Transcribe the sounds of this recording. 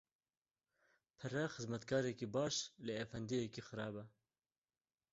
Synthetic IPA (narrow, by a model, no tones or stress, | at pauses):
pʰɨɾɛxɨzmɛt̪kʰɑːɾɛkibɑːʃleɛfɛnd̪ijɛkixɨɾɑːbɛ